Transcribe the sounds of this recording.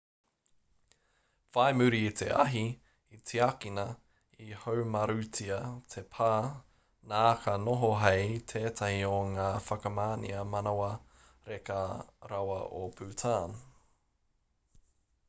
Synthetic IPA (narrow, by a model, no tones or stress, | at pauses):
v̥ajmʉɾit̪ʰe̞̰ʔɐɦi | it͡sʰiakinɐ | ihowmɐɾʉt͡sʰiɐtʰepʰaː | naːkʰɐnoɦoɦejtʰeːtʰɐhioŋaːfɐkɐmaːnḭɐmɐnawɐ | ɾekɐɾɐwɐ̰ʔopʰʉːtʰaːn